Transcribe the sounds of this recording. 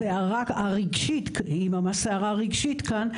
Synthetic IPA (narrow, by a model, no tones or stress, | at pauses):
eaʁakaʁiɡʃit̪kimamasaaʁaʁiɡʃit̪kan